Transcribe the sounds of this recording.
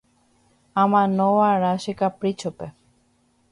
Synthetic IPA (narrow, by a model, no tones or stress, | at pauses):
amanɔwaɾaʃikapɾit͡ɕʰope